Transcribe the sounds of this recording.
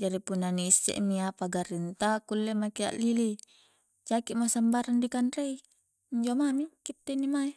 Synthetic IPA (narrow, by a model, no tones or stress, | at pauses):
d͡ʒaɾipunːaniːsḛʔmiapaɡaɾint̪akulːemakia̰ʔlili | t͡ʃakiʔmasambaɾandikanrei | ɲd͡ʒomamikit̪ːenimai